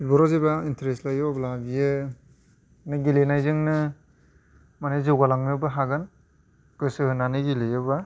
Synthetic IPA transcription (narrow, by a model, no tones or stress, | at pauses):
ibɔɾɔzebaintɾestlajoblabijɯ | nɯɡilenajzɯŋnɯ | manazɯwɡalaŋnɯbɯɦaɡan | ɡɯsɯɦɯnanɯɡilejɯba